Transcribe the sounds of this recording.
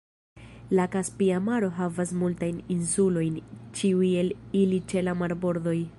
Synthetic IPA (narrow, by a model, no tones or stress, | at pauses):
lakaspiamaɾo̞ɦavasmultajninsulo̞jnt͡ʃiuje̞lilit͡ʃe̞lamaɾbo̞ɾdo̞j